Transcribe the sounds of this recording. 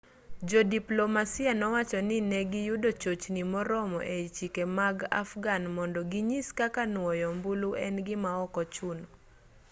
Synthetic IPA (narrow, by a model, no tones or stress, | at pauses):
d͡ʒɔdiplomasɪanɔwat͡ʃɔnɪnɛɡɪjudot͡ʃot͡ʃnimɔɾɔmɔ̰ʔet͡ʃikemaɡa̰fɡanmɔndɔɡiɲiskakanwɔjɔmbuluɛ̰nɡɪmaɔkɔt͡ʃunɔ